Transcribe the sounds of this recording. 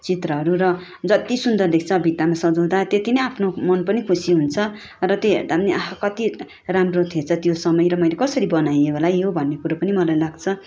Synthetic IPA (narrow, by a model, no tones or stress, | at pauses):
t͡sit̪rʌɦʌɾuɾʌ | d͡zʌt̪isund̪ʌrlek̚ʰt͡sʰʌbʱit̪amasʌd͡zʌw̃d̪at̪et̪inʌjapʰnomʌnpʌnikʰusiɦunt͡sʰʌ | rʌt̪joɦert̪aʌniaɦkʌt̪i | ramrot̪ʰet͡sʰʌt̪josʌmʌjɾʌmʌjlekʌsʌɾibʌnajeɦolajɦobʱʌnːekuɾapʌnimʌlajlaɡt͡sʰʌ